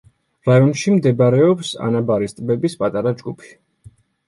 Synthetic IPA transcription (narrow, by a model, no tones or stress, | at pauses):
ɾajɔnʃimd̪ɛbɾɛɔpsa̰nabaɾist̪ʼbɛbispʼat̪ʼaɾad͡ʒɡupʰi̥